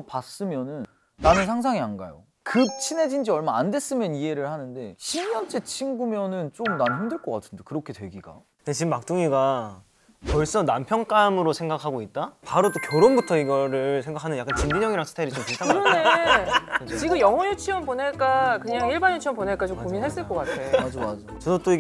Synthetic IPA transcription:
pas͈ɯmjʌnɯnː | anɯnsʰaŋs̬ʰaŋianɡa̰jo̰ | kɯp̚t͡ɕʰine̞d͡ʑind͡ʑiʌɭmaande̞s͈ɯmjʌnie̞ɾɯɭhanɯnde̞ɕʰimjʌnt͡ɕ͈et͡ɕʰinɡumjʌnɯnt͡ɕ͈omnanɯnhɯmdɯɭk͈ʌk͈a̰tʰɯ̥ndekɯɾʌkʰe̞twe̞ɡiɡa̰ | et͡ɕimːak̚t͈uŋiɡa | pʌɭs͈ʌnampʰjʌŋk͈amɯɾosʰe̞ŋɡakʰaɡoit̚t͈apaɾot͈okjoɾombutʰʌiɡʌɾɯɭsʰeŋɡakʰanɯnjak͈ant͡ɕindiɲjʌŋiɾaŋsʰtʰaiɾit͡ɕ͈ompisʰaɯɾʌne | t͡ɕiɡɯmjʌŋʌjut͡ɕʰiwʌnponeɭk͈akɯɲaŋiɭbanjut͡ɕʰiʌmponeɭk͈at͡ɕomkominɦes͈ɯk͈ʌk͈atʰemad͡ʑomad͡ʑo | ʌdot͈oiɡ

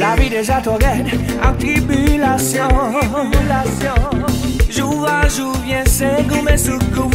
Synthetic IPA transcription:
lavid̪eʒat̪ɔ̃ɡɛd̪ | at̪ɾibylasjɔ̃ | lasjɔ̃ | ʒuvaʒuvjɛ̃seɡũmɛ̃sukũ

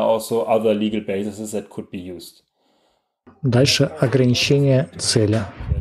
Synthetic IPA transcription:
ɔlˠsoʊʔaðə˞liɡəl̩ˠbeɪsɪsɪsðɛt̚kʰʊd̚bijuːzd | d̪alʲʂɨɐɡɾənʲɪt͡ɕenʲɪjət̪sɛlʲɪ

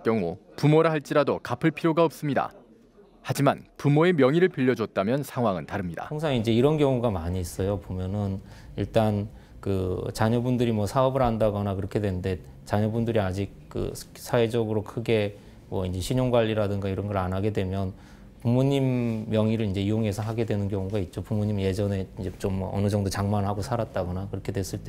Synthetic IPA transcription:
k͈jʌŋṵpumoɾɯɦaɭt͡ɕ͈iɾadokapʰɯɭpʰiɾjoɡaʌp̚s͈ɯmɲida̰ | had͡ʑima̰npumoe̞mjʌŋiɾɯɭpiʎːʌd͡ʑʌt̚t͈amjʌnsʰaŋɦwaŋɯntaɾɯmɲida̰oŋsʰaŋiind͡ʑe̞iɾʌnkjʌŋuɡamaɲiːs͈ʌjopomjʌnɯn | iɭt͈an | kɯt͡ɕaɲʌbundɯɾimwʌsʰaʌbɯɾɦandaɡʌnakɯɾʌkʰe̞dwe̞nɯnde̞ | t͡ɕaɲʌbundɯɾiad͡ʑik̚k͈ɯ̰ | sʰawed͡ʑʌɡɯɾokʰɯɡe̞ | mwʌind͡ʑe̞ɕʰiɲoŋɡwaʎːiɾadɯŋɡaiɾʌnɡʌɾanɦaɡe̞dwe̞mjʌn | pumoɲimjʌŋiɾɯɭind͡ʑe̞ioŋe̞sʰʌɦaɡe̞dwe̞nɯnkjʌŋuɡait̚t͡ɕ͈opuŋmoɲimje̞d͡ʑʌne̞ind͡ʑe̞t͡ɕomʌʌ̰nɯd͡ʑʌŋdot͡ɕaŋmanɯɭɦaɡosʰaɾat̚t͈aɡʌnakɯɾʌkʰe̞dwe̞s͈ɯɭt͈e

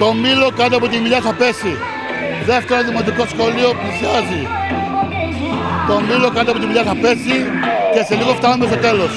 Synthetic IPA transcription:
t̪o̞milo̞kɐt̪eɐpo̞t̪imiʎaθɐpe̞si | ðeft̪eɾoðimo̞t̪iko̞sxo̞lio̞plisiɐzi | t̪o̞milo̞kɐnt̪eɐpot̪imiʎaθɐpe̞sice̞se̞liɣoft̪ɐnumes̬t̪ot̪e̞los

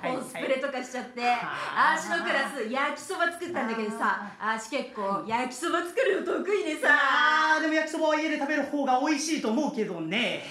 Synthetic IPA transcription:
osɨ̥pɯ̟ɾe̞t̪o̞kaɕi̥t͡ɕat̪ːe̞aɕino̞kɯ̟ɾasɨjakʲi̥so̞bat͡sɨ̥kɯ̟t̪ːãnd̪ake̞d̪o̞saaɕi̥ke̞kːo̞ːjakʲi̥so̞bat͡sɨ̥kɯ̟ɾɯ̟jot̪okɯ̟id̪esad̪e̞mo̞jakʲi̥so̞baaied̪e̞t̪abe̞ɾɯ̟ho̞ːɡao̞iɕiːt̪o̞ːmo̞ɯ̟ke̞d̪o̞ne̞

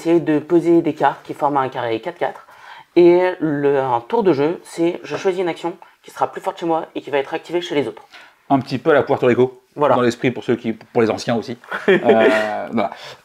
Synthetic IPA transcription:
sejed̪əpozed̪ekaʁt̪kʲifɔʁmɛ̃kaʁekat̪kat̪χ | elət̪uʁd̪əʒøsɛʒəʃwaziynaksjɔ̃kʲi̥sə̥ʁaplyfɔʁt̪ʃemwaekʲivaɛt̪χak̚t̪iveʃelezot̪χ | ɛ̃pət̪ipøalakuvɛʁt̪əʁeko | vwalad̪ɑ̃lɛspχipuʁsøkʲipuʁlezɑ̃sjɛ̃osi | aa

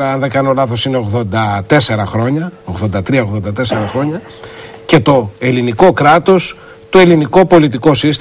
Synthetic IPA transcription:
ɾɐɐnðekɐnoolɐθo̞sine̞oɣðo̞nd̪ɐt̪e̞se̞ɾɐxɾo̞ɲɐoɣðo̞nd̪ɐt̪ɾiɐo̞ɣðo̞nd̪ɐt̪e̞se̞ɾɐxɾo̞ɲɐ | ce̞t̪o̞e̞liniko̞kɾɐt̪o̞s | t̪ue̞liniko̞po̞lit̪iko̞sist̪

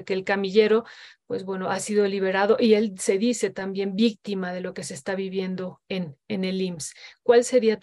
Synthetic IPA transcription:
ke̞ːlkamiʝe̞ɾo̞pwe̞zβwe̞noasiðo̞liβ̞e̞ɾað̞o̞ʔie̞lse̞ðise̞t̪ambje̞mbik̚t̪imaðe̞lo̞ke̞se̞ːst̪aβiβje̞nd̪o̞enene̞limskwalse̞ɾiat

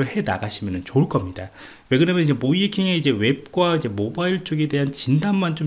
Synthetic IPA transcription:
ɯɭhe̞na̰ɡaɕʰimjʌnɯnt͡ɕoɭk͈ʌmɲida | we̞ɡɯɾamjʌnid͡ʑe̞moikʰiŋe̞id͡ʑe̞we̞p̚k͈waid͡ʑe̞mobaiɭt͡ɕ͈oɡe̞de̞ɦant͡ɕindanmant͡ɕ͈om

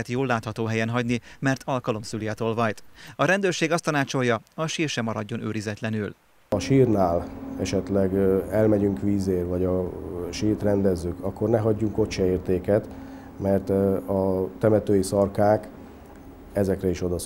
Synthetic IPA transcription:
ɛt̪joːlːaːt̪hɒt̪oːɦɛjɛnɦɒɟnimɛrt̪ʰɒlkɒlo̞msylijɛt̪oːlvɒjt̪ɒɾɛnd̪øːrʃeːɡɒst̪ɒnaːt͡ʃo̞jːɒɒʃiːrʃɛmɒɾɒɟːo̞nøːɾizɛt̪lɛnyl | ɒʃiːrnaːlɛʃɛt̪lɛɡɛlmɛɟyŋkʋiːzeːrʋɒɟɒʃiːrt̪rɛnd̪ɛzːykʰɒkːo̞rnɛɦɒɟːuŋko̞ɛeːrt̪eːkɛt̪ | mɛrt̪ɒt̪ɛmɛt̪øːjisɒrkaːk | ɛzɛkrɛiʃo̞d̪ɒ

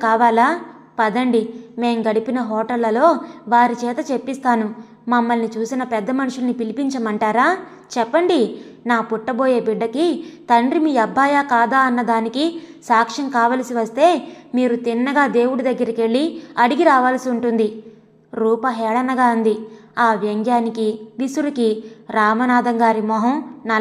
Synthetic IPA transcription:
kaːʋaːlaː | pɐd̪ɐɳɖime̞ːmɡɐɽipinɐɦɔːʈɐlːɐlo̞ːʋaːɾit͡ʃɛːt̪ɐt͡ʃe̞pːist̪aːnu | mɐmːɐlnit͡ʃuːsinɐpɛd̪ːɐmɐnuʂulnipilipiɲt͡ʃɐmɐɳʈaːɾaː | t͡ʃɛpːɐɳɖinaːpuʈːɐbo̞ːje̞ːbiɖːɐkit̪ɐɳɖɾimiːɐbʱːaːjaːkaːd̪aːɐnːɐd̪aːnikisaːkʂɐmkaːʋaːlɐsiʋɐst̪e̞ːmiːɾut̪inːɐɡaːd̪e̞ːwuɽud̪ɐɡːɐɾɐke̞ɭːiɐɽiɡiɾaːʋaːlɐsiuɳʈund̪i | ɾuːpɐɦɛːɽɐnɐɡaːund̪i | aːʋjɐŋɡjaːnikiʋisuɾikiɾaːmɐnaːd̪ɐŋɡaːɾimɔːɦɐmnɐ

